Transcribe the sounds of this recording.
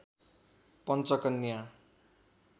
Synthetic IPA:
pʌnt͡sʌkʌnːija

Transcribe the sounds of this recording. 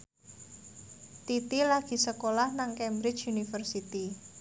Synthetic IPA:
t̪it̪ilaɡ̥i̤səkolahnaŋkɛmbɾɪt͡ʃunifərsit̪i

